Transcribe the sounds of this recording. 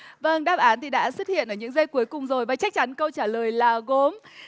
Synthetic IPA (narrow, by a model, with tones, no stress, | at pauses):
və˧ŋɗaː˦˥p̚ʔaː˨˦nt̪ʰi˨˩ɗa̰ː˧˥swə˦˥t̚hḭ˧˨ənʔəː˧˩ɲɨ̰˧˥ŋzə˧jku˨˦jkʊ˨˩ŋ͡mzo˨˩jvaː˨˩t͡ɕa˦˥k̚t͡ɕa˨˦nkə˧wt͡ɕaː˧˩ləː˨˩jlaː˨˩ɣo˨˦m